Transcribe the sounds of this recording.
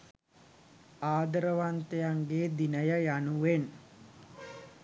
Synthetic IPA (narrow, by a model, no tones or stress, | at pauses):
aːd̪əɾəʋant̪ejaŋɡeːd̪inəjəjanuʋen